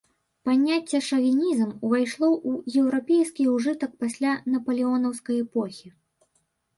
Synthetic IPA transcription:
panʲːat͡sʲːɛʂɐvʲinʲizmvajʂlˠɔʔujɛwɾapʲejskʲiuʐɨt̪ɐk̚pasʲlʲanɐpɐlʲiɔnɐwskɐjɛpɔxʲi

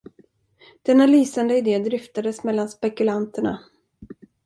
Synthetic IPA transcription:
d̪̥ɛnːalyːsand̪əɪd̪eːd̪ɾɪft̪ad̪əsmɛlːanspɛkɵlant̪əɳa̰

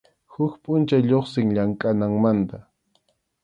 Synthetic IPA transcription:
hʊkpʼʊnt͡ʃajʎoχsɪŋʎaŋkʼanaŋmant̪a

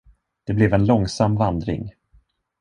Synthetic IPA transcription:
d̪̥ɛblɛvɛnlɔŋsamːvand̪ɾɪ̰ŋ

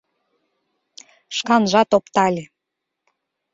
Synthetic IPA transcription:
ʃkɑnʒɑt̪opt̪ɑlʲe

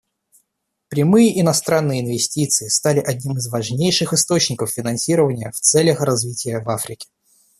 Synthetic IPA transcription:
pɾʲɪmɨjəʔɪnɐst̪ɾanːɨjəɪnvʲɪsʲtʲit̪sɨɪst̪alʲɪʔɐdʲnʲimɨzvɐʐnʲejʂɨxɨst̪ot͡ɕnʲɪkəffʲɪnɐnsʲiɾəvənʲɪjəft̪sɛlʲəxrɐzvʲitʲɪjəvafɾʲɪkʲɪ̥

